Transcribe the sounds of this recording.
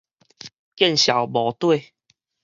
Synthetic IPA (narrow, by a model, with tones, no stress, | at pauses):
kjɛ˥˨nɕja˨˩wbɔ˨˦t̪we˥˧